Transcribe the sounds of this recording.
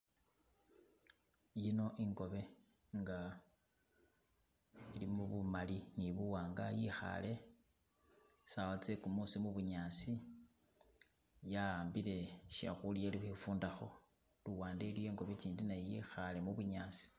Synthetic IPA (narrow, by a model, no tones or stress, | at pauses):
jino̞ʔiŋɡo̞βe̞ | ŋɡa | ilimuβumaliniβuwaːŋɡajixa̰le̞ | sawat͡se̞kumusimuβuɲaːsi | jaaːmbile̞ʃa̰xulijelixefuːndaxo̞ | luwaːndelijo̞iːŋɡo̞βe̞t͡ʃiːndinajejixale̞muβuɲaːsi̥